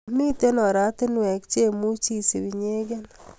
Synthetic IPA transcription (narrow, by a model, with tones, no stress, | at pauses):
mi˦te˦nɔ˨ɾa˦tɪ˦nwɛ˨kt͡ʃe˦mu˦t͡ʃi˦˨se˨βi˨ɲe˦ɡe˦n